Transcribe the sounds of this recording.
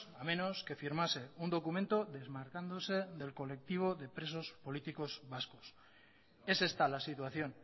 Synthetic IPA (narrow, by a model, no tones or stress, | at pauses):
amẽ̞no̞ske̞fiɾmase̞und̪o̞kumẽ̞nt̪o̞ðe̞zmaɾkand̪ose̞ðe̞lko̞le̞k̚t̪iβ̞o̞ðe̞pɾe̞so̞spo̞lit̪iko̞zβaskos | e̞se̞st̪alasit̪waθjo̞n